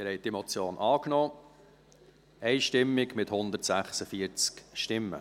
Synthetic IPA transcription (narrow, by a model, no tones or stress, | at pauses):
mɪhɛɪt̪imɔt͡sjoːnʔɑːknɔː | ɛɪʃtɪmːɪɡmɪthʊnd̪ətsæχsəfiəɾt͡skʃtɪmːə̰